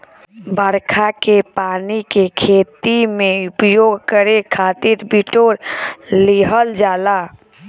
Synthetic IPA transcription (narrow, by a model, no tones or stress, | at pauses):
bʱəɾkʰakepaːnikekʰeːt̪imẽʊpjoːɡkəɾekʰaːt̪iɾbiʈoːɾliɦəld͡ʒaːla